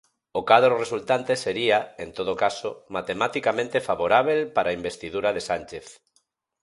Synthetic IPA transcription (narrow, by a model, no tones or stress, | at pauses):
okaðɾresult̪ant̪eseɾiaent̪oðokasomat̪emat̪ikamẽnt̪efaβoɾaβ̞elpaɾaimbest̪iðuɾaðesanʲt͡ʃeθ